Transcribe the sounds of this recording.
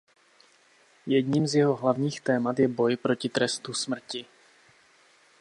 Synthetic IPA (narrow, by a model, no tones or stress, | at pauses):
jɛdɲiːmzjɛɦo̞ɦlavɲiːxt̪ɛːmat̪jɛbo̞jpɾo̞cɪt̪ɾɛst̪usmr̩cɪ